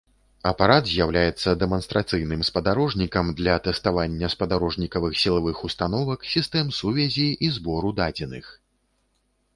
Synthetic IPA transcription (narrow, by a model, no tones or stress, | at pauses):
ɐpaɾat̪zʲjawlʲajɛt̪sːɐd̪ɛmɐnst̪ɾat̪sɨjnɨmspɐd̪aɾɔʐnʲikɐmd̪lʲɐt̪ɛst̪avanʲːɐspɐd̪aɾɔʐnʲikɐvɨxsʲilˠavɨxust̪anɔvɐksʲist̪ɛmsuvʲɛzʲiʔizbɔɾud̪ad͡zʲɛnɨx